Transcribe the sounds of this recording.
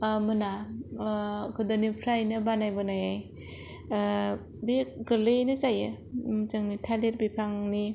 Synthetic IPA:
mɯna | ɡɯdanipʰɾajnɯbanajbɯnaja | biɡɯɾlɯnɯzajɯ | mzɯŋnitʰaleɾbipʰaŋni

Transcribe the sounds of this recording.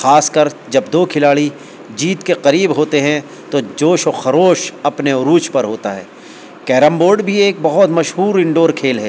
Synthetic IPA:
xaːskəɾd͡ʒɐbd̪oːkʰɪlaːɭi | d͡ʒiːt̪keqɐɾiːbɦoːt̪eɦɛ̃ | t̪od͡ʒoːʃoxɐɾoːʃɐpneʊɾuːt͡ʃpɐɾɦoːt̪aɦɛ̰ː | kɛːɾə̃mboːɾɖbʱieːk̚bɐɦɔt̪mɐʃɦuːɾɪ̃ɳɖoːɾkʰeːlɦɛː

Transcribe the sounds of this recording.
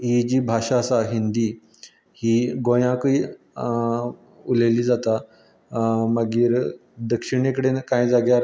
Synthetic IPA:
ɦid͡ʑiːbʱaʂasaɦind̪iː | hiːɡojãkəi | uleliːd͡zat̪a | məɡiːɾd̪əkʂiɽ̃ekəɽenkãjd͡zaɡjaɾ

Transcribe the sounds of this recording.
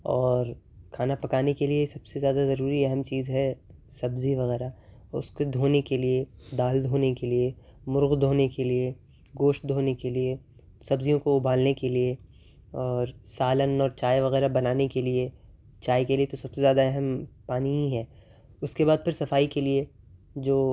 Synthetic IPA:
ɔːɾ | kʰaːnapɐkaːnekeliesɐbsezjaːd̪azɐɾuːɾiɛɦɛmt͡ʃiːzɦɛsɐbziʋɐɣɛːɾa | ʊ̰skod̪ʱoːnekelied̪aːld̪ʱoːnekelie | mʊɾɣd̪ʱoːnekelie | ɡoːʃʈ̚d̪ʱoːnekelie | sɐbzijõkoʊbʱaːlnekelie | ɔːɾsaːlənɔːɾt͡ʃaːjʋɐɣɛːɾabɐnaːnekelie | t͡ʃaːjkeliet̪osɐbsezjaːd̪aɛɦɛmpaːniɦĩɦɛː | ʊskebaːd̪̚pɐɾsɐfaːikelie | d͡ʒoː

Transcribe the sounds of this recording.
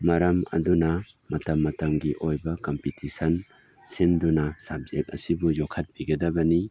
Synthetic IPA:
mɐɾɐmɐ̰dunɐ | mɐtɐmːɐtɐmɡiʔojbɐkompitisɐn | sendunɐsab̚zk̚ɐ̰sibujɔkʰːɐt̚b̥iɡɐdɐbɐni

